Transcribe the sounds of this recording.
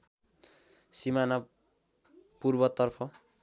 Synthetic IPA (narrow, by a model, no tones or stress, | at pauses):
simana | purbʌt̪ʌrpʰʌ